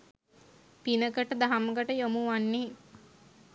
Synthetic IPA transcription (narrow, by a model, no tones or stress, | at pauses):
pinəkəʈəd̪aɦaməkəʈəjomuʋanːe